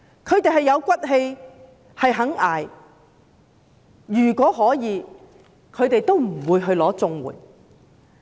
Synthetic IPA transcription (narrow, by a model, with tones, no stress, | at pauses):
kʰɵ˨˧ɥt̪e˨jɦɐ˨jːɐ˨˧wkʷɐ˥t̚ɦe˧j | hɐ˨jɦɐ˨˥ŋaː˨˩j | yː˨˩kʷɔː˨˥ɦɔː˨˥jiː˨˧ | kʰɵ˨˧ɥt̪e˨jt̪o˥wm̩˨˩wuː˨˧jɦɵ˧ɥlɔː˨˥t͡sʊ˧ŋwṵː˨˩j